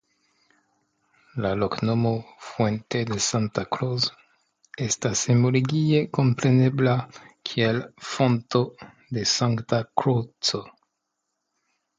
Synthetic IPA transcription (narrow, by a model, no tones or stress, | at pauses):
laloknomofwented̪e̞santakɾoz | estasemoloɡieko̞mpɾe̞ne̞blakʰielfonto | d̪esaŋktakɾot͡so